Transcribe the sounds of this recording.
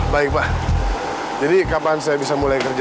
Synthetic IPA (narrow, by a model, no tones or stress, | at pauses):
baɪk̚pa | d͡ʒadikapansajabisamulajkərd͡ʒ